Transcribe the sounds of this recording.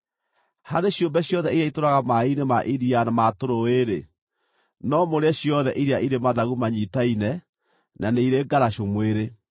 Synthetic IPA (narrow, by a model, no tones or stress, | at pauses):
haɾeɕjombɛɕjɔðɛiɾjaitoɾaɣamainemaʔiɾianamatoɾoeɾḛ | nɔmoɾeaɕjɔðɛʔiɾeaʔiɾemaðaɣumaɲitainɛ | naneiɾeɡaɾaʃomweɾe